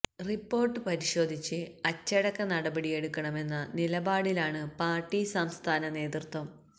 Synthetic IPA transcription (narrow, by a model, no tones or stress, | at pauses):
ripːo̞ːrʈːɨpɐɾiɕo̞ːd̪ʱit͡ɕːɨɐt͡ɕːɐɽɐkːɐnɐɽɐbɐɽije̞ɽukːɐɳɐme̞nːɐnilɐbaːɽilaːɳɨpaːrʈːisɐmst̪ʰaːnɐne̞ːd̪rt̪wɐm